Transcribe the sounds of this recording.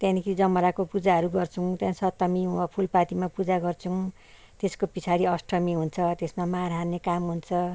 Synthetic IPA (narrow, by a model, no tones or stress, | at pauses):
t̪jãnikʰiid͡zʌmʌɾakopud͡zaɦʌɾuɡʌrt͡sʰũt̪jãsʌt̪ʌmiʌpʰulpat̪imapud͡zaɡʌrt͡sʰũ | t̪eskopit͡sʰaɾiʌsʈʰʌmiɦunt͡sʰʌt̪esmamaɾɦanekamɦunt͡sʰʌ